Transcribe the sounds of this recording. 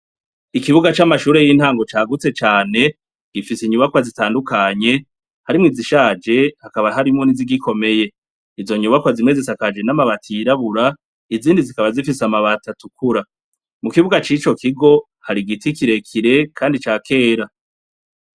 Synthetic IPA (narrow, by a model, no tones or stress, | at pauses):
ikiβuɡat͡ʃamaʃuːɾejiːn̥haːŋɡo̞t͡ʃaːɡut͡se̞t͡ʃaːne̞ | ɡ̥ifisiɲuβakwazitaːndukaɲe̞ | haɾimŋiziʃaːd͡ʒe̞hakaβaɦaɾimŋo̞niziɡiko̞me̞je̞ | izo̞ɲuβakwazimezesakad͡ʒenamaβatʰiiɾaβuɾa | iziːndizikaβazifisamaβatatukuɾa | mukiβuɡat͡ʃit͡ʃo̞kʰiɡo̞ | haɾiɡitikiɾe̞kʰiɾe̞kʰaːndit͡ʃaːkʰe̞ːɾa